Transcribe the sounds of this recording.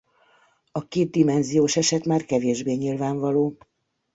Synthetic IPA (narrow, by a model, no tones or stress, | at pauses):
ɒkeːd̪̚d̪imɛnzijoːʃɛʃɛt̪maːrkɛveːʒbeːɲilvaːɱvɒloː